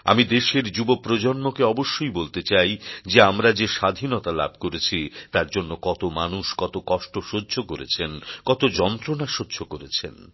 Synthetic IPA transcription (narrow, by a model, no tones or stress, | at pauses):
a̰mid̪eʃeɾd͡ʑubopɾod͡ʑonmokeɔboʃːojbolt̪et͡ɕajd͡ʑeamɾad͡ʑeʃad̪ʱinot̪ala̰b̚ʱkoɾet͡ɕʰit̪aɾd͡ʑonːokɔt̪omanuʃkɔt̪okɔʃʈoʃodːʱokoɾḛt͡ɕʰenkɔt̪od͡ʑɔnt̪ɾonaʃod̪ːd͡ʑokoɾet͡ɕʰḛn